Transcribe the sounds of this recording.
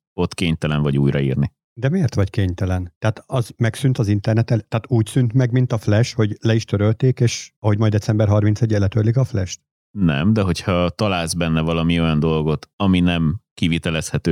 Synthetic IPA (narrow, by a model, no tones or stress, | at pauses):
o̞t̪keːɲt̪ɛlɛɱvɒɟuːjɾɒḭːrni | d̪ɛmeːrt̪ʋɒckeːɲt̪ɛlɛnt̪ɛɦat̪ɒzmɛksynt̪ɒzint̪ɛrnɛt̪ɛlt̪ɛːt̪uːcsynt̪mɛɡmint̪ɒflɛʃho̞ɟlɛiʃt̪øɾølt̪eːkeːʃɒɦo̞ɟmɒjd̪ɛtsɛmbɛrɦɒrmint̪sɛɟːɛlːɛt̪ølːikɒflɛʃt̪ | nɛmd̪ɛɦo̞cʰhɒt̪ɒlaːlzbɛnːɛvɒlɒmio̞jɒnd̪o̞lɡo̞t̪ɒminɛmkivit̪ɛlɛshɛt̪øː